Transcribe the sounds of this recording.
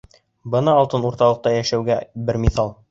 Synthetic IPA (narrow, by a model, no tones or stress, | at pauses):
bɤ̆nɑːlˠt̪ɤnuɾt̪ɑlˠɤ̆q̚t̪ɑjæʃæwɡæbɘɾmʲiθɑlˠ